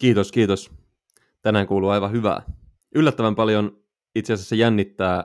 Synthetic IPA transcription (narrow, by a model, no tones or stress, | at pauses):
k̟iːt̪oskiːt̪os | t̪ænæːŋkuːluːɑjʋɑɦyʋæ̰ː | ylːæt̪ːæʋæmpɑljon | it̪seɑsæsːejænːit̪ːæː